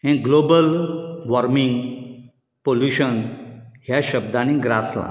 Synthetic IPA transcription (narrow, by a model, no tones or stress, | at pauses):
ɦɛ̃ɡlobəlʋɔɾmiŋɡ | poljuɕənɦjaɕəb̚d̪anĩɡɾasla̰